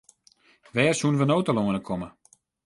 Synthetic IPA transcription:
ʋɛːrsunʋənoːtəloənəkʰomə

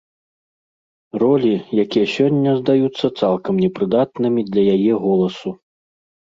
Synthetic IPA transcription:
rɔlʲijakʲijɐsʲɔnʲːɐzd̪ajut̪sːɐt̪salˠkɐmnʲɛpɾɨd̪at̪nɨmʲid̪lʲɐjajɛɣɔlˠɐsu

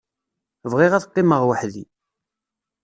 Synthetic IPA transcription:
vʁiʁæðqːiməʁwəħði

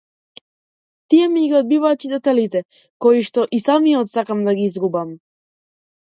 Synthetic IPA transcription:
t̪ijɛmiɡiɔd̪̚bivaːcid̪ɛt̪ɛlit̪ɛ | kɔiʃt̪ɔʔisamiɔt̪sakamd̪aɡiizɡubam

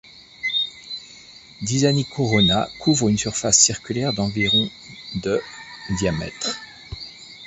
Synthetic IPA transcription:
d̪izanikʰɔʁɔnakʰuvʁynsyʁfasːiʁkʲylɛʁd̪ɑ̃viʁɔ̃ | d̪əd̪jamɛ̰t̪χ

